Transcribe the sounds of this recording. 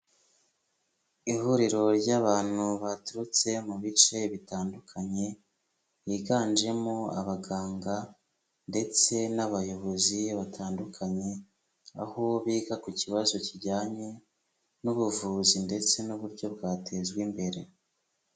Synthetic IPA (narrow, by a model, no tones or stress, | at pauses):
ihuɾiɾo̞ɾɟaβaːn̥huβatuɾut͡se̞muβit͡ʃe̞βitaːndukʰaɲe̞ | jiɡaːnd͡ʒe̞moa̰βaɡaːŋɡa | nde̞t͡se̞naβajo̞βo̞ziβatʰaːndukʰaɲe̞ | ahoβiːɡakuciβazo̞ciɟaːɲe̞ | nuβuvuzinde̞t͡se̞nuβuɾɟo̞bɡaːtʰe̞zɡwimbe̞ɾe̞